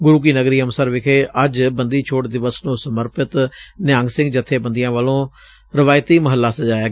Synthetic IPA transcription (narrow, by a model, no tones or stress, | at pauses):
ɡʊɾuːk̬iːnəɡɾiːənsəɾʋɪkʰeːʔəd͡ʒbənd̪iːt͡ʃʰoːʈd̪ɪʋəsnũːsəməɾpɪt̪nɪjãːŋɡsɪ̃ŋɡd͡ʒət̪ʰːeːbənd̪ijãːʋəlõː | ɾɪʋaːjt̪iːməɦəlːaːsəd͡ʒaːjaː